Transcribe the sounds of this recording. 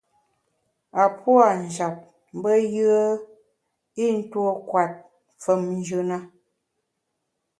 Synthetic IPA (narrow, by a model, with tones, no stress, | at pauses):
a˨pwa˦˨n̩˨d͡ʒa˨p̚ | m˦bə˦jɯ˦ə˦ | i˦n̩˦two˦kwa˨t̚ | fə˨mn˦d͡ʒʉ˦na˦